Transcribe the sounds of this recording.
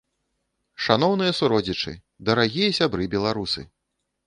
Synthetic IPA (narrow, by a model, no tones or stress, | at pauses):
ʂanɔwnɨjɐsuɾɔd͡zʲit͡ʂɨ̰ | d̪ɐɾaɣʲijɐsʲabɾɨbʲɛlˠaɾusɨ